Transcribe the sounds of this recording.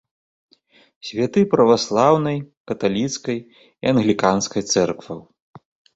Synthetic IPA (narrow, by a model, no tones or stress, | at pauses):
sʲvʲat̪ɨpɾɐvaslˠawnɐjkɐt̪alʲit̪skɐj | iaɐnɣlʲikanskɐjt̪sɛrkvɐw